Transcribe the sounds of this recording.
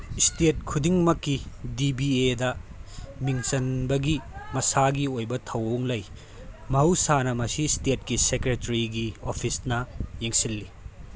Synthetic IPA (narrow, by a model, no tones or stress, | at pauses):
stet̚kʰudiŋmɐkːidibiedɐmiŋsɐnbɐɡimɐsaɡiojbɐtʰɐwowŋlɐj | mɐwsanɐmɐsistet̚kisekɾetɐɾiɡiopʰisnɐjeŋsilːi